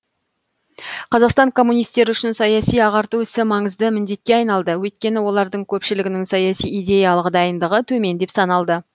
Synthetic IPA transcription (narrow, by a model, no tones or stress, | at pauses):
qʰɑzɑqst̪ɑŋkʰo̞mːunijst̪e̞ɾɪʏʃɪnsɑjɑsijɑʁɑɾt̪uɪsɪmɑɴəzd̪əmɪnd̪e̞t̪̚kʲe̞ɑjnɑlˠd̪əwɵjt̪̚kʲe̞nɪwo̞lˠɑɾd̪əɴkʲʰɵpʃɪlɪɡʲɪnɪŋsɑjɑsijijd̪ʲe̞jɑlˠəqd̪ɑjənd̪əʁət̪ʰɵme̞nd̪e̞psɑnɑlˠd̪ə